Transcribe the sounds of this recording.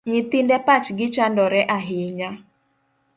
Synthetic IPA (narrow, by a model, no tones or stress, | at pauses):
ɲɪt̪ɪndɛpat͡ʃɡɪt͡ʃandɔɾɛʔaɦɪɲa